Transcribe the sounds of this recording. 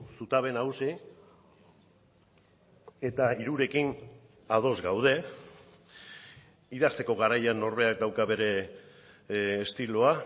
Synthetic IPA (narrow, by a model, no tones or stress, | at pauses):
sut̪aβ̞e̞nawsi | e̞t̪aiɾuɾe̞kin | að̞o̞zɡawð̞e̞ | iðast̪e̞ko̞ɣaɾajano̞ɾβe̞ak̚d̪awkaβe̞ɾe̞ | st̪iloa